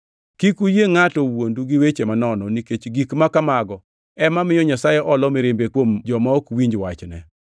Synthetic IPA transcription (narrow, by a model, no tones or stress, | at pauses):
kikujeŋatɔwonduɡiwet͡ʃemanɔnɔniket͡ʃɡikmakamaɡɔ | ɛmamɪjɔɲasajɛʔɔlɔmɪɾɪmbekwomd͡ʒɔmaokwiɲd͡ʒwat͡ʃnɛ